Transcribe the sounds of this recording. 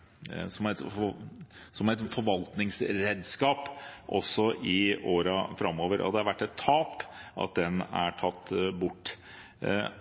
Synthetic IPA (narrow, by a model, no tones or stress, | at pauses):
sɔmæt̪ | sɔmæɪt̪fɔɾʋɑlt̪nɪŋsɾeːd̪skɑːpʔɔ̰sːɔʔɪʔoːɾɑfɾɑmːoːʋəɾʔɔ̰ɑ̰d̪ɛhɑɾʋæʈːɛt̪ʰːɑːpʔɑ̰t̪̚d̪ɛnæ̰ʈʰɑt̪ːbʊʈː